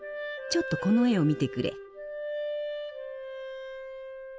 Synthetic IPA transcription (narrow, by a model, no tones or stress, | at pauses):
t͡ɕo̞t̪ːo̞ko̞no̞e̞o̞mʲit̪e̞kɯ̟ɾʔe̞̰